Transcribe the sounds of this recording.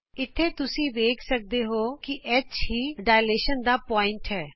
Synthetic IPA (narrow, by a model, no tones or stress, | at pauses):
ɪt̪ʰːeːt̪ʊsĩːʋeːkʰsək̚d̪eːɦoːkɪʔɛt͡ʃhiːɖaːjleːʃənd̪aːpɔːɪ̃ɳʈɦɛː